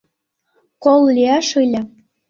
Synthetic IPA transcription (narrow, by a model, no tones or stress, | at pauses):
kollʲiɑʃɯlʲɘ̆